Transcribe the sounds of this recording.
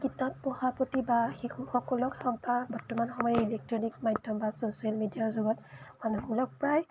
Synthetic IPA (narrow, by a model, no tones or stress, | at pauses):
kitat̚pɔhapotibaxixuxɔkɔlɔkɔkbabɔɹtɔmanxɔmɔjɛilɛk̚tɹɔnikmajdʱːɔmbasosialmidijazuɡɔtmanuɦulɔk̚pɹaj